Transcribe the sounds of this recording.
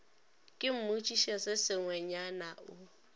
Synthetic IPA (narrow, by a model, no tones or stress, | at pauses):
kʼɪm̩mut͡ʃʼiʃɛsɪsɪŋwɛɲanaʔʊ